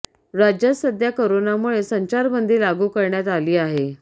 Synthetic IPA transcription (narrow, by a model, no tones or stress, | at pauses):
ɾad͡ʑjasəd̪ʱjakoɾonamuɭesəɲt͡ɕaɾbənd̪ʱiːlaɡuːkəɾɳjat̪aliːaɦe